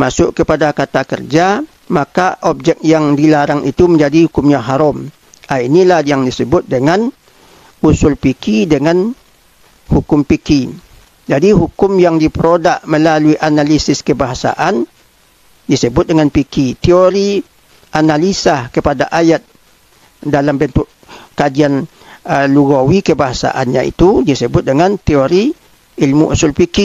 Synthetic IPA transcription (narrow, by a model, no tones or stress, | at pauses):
masʊʔkəpadakat̪akə̰rd͡ʒa | makaʔɔp̚d͡ʒɛk̚jaŋdilaɾaŋʔḭt̪uməɲd͡ʒadihukʊmɲaɦaɾɔm | ainilahjaŋdisəbʊt̪̚dəŋan | usʊlpikidəŋan | hukʊmpiki | d͡ʒadiɦukʊmjaŋdipəɾodaʔməlaluiʔanalisɪskəbaɦasa̰ʔan | disəbʊt̪̚dəŋanpikit̪ioɾi | ʔanalisahkəpadaʔajat̪̚ | dalambənt̪ʊʔ | kad͡ʒian | əluɡowikəbaɦasa̰ʔa̰nɲa̰ḭt̪udisəbʊt̪̚dəŋant̪eoɾi | ilmuʔṵsʊlpiki